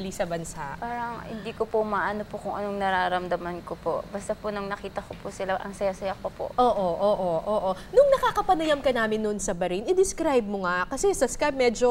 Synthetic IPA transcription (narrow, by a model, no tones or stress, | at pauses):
lisɐbɐnsaʔpaːɾɐŋhɪ̰nd̪iːkopomaːʔɐnopokʊŋʔɐnoŋnɐɾaːɾɐmd̪ɐmɐnkopo̰bɐst̪ɐponɐŋnɐkiːt̪ɐkopuːsɪlaʔɐŋsɐjasɐjak̚pɐpo̰ʔʔoːʔoʔoːʔoʔoːʔo | nʊŋnɐkaːkɐpɐnɐjɐmkɐnaːmɪnːʊnsɐbɐɾinʔɪd̪ɪskɾajb̚moŋakɐsɛsɐskaj̚mɛːd͡ʒo̞